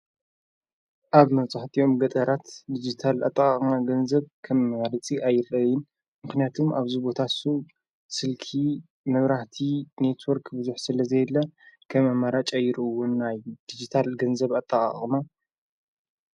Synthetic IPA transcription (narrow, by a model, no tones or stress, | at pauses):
ʔaβmɐt͡sʼaħt̪ʰʼio̞mɡɐt̪ʼɐɾat̪d̪id͡ʒit̪ʰala̰t̪ʼːakʼamaɡɐnzɐβkʰɐmɐmaɾɨt͡sʼiʔajɪɾɐjɪn | mɨxnijat̪ʰumʔaβzubo̞t̪ʰasu | sɨlkʰi | mɐβɾaht̪ʰine̞t̪ʰwoɾkbɨzuħsɨlɐzɐjd̪lːɐkʰɐmɐmaɾat͡ʃʼajɪɾɨɨwːʊnːajd̪̥id͡ʒit̪ʰalɡɐnzɐβat̪ʼːaχʼa̰χʼma